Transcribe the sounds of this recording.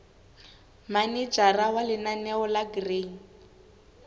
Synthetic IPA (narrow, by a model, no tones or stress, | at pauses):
manɛd͡ʒarawalɪnanɛɔlaɡreŋ̩